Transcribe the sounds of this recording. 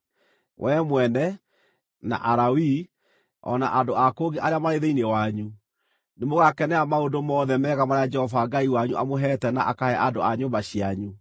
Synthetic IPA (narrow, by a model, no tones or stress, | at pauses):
wʔɛmwɛnɛ | na̰ʔaɾawi | ɔ̰na̰ʔandoakoɣeʔaɾeamaɾeðeinewaɲu | nemoɣakɛnɛamaondomɔːðɛmɛɣamaɾead͡ʒɛhɔvaɡaiwaɲuʔamoɦɛtɛna̰ʔakahɛʔandoaɲombaɕiaɲu